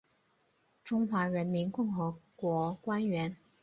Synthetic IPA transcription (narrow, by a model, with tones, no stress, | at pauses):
ʈ͡ʂʊ˥ŋxwa˧˥ɻə˧˥nmi˧˥nkʊ˥˩ŋxɤ˧˥kwɔ˧˥kwa˥nɥɛ˧˥n